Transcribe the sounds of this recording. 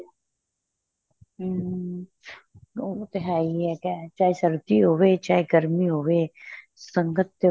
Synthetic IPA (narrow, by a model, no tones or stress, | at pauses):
ot̪ɪɦaːɾiɦɛkɛt͡ʃaːesəɾd̪iːɦoːʋeːt͡ʃaːeɡəɾmiːɦoːʋeː | səŋɡət̪ː